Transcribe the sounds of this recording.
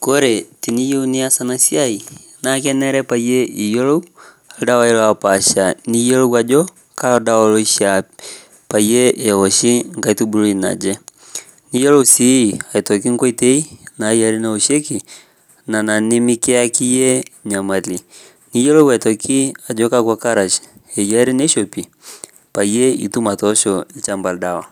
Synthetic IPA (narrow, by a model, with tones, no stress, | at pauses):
koɾe˨ti˨ni˦jouniasanasjai˨ | nak̬ɛnɛɾɛpaiɛi˨jɔ˦lo˦u | a˨dawa˦ilwapa˨ʃani˦jɔ˦lo˦wa˨d͡ʒɔ | kaɔdaɔlo˦iʃa | pa˨jɛʔeɣɔʃi˦ŋka˦itubulo˦ina̰d͡ʒɛ | ni˦jɔlo˦usi˦˨a˨i˨tɔ˨k̬i˦ŋkɔ˦i˦tɛ˦i˦na˨ja˨ɾi˦nao˨ʃɛ˦ki˨ | na˨na˨ni˦mi˦ke˦a˦ki˦jɛ˦ɲa˨ma˨li˨ | ni˦jɛ˦lo˦ɡwa˨tɔ˨ki˦a˨d͡ʒɔ˦ka˦kwa˦ka˦ɾa˨ʃḁ˨ɛ˨jɛ˦ɾi˦nɛ˦ʃɔ˨pi˨ | pa˨ijɛ˦ḭ˨tu˦ma˨tɔʃɔ˨i˦t͡ʃa˨mba˨lda˨wa˨